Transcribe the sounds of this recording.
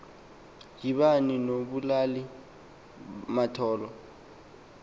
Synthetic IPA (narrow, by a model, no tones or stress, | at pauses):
d͡ʒiβaninobulalɪ | matʰɔːlɔ